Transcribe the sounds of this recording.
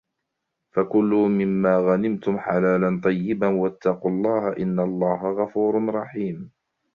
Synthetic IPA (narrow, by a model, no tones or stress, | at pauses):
fakʊlːʊmɪmːaːɣanɪmt̪ʊmħalaːlant̪ˤɑjːɪbanwat̪ːɑqʊlˤːɑːhaʔɪnːalˤːɑːɦaɣafuːɾɾˤɑħiːm